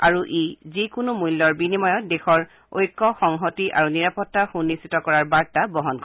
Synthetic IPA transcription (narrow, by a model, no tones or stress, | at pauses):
aɹuʔizikʊnumujlːɔɹbinimɔjɔt̚dexɔɹ | o̰jkːɔxɔŋɦotiʔa̰ɹuniɹapɔtːaxunːisitɔkɔɹaɹbaɹtabɔɦɔnkɔ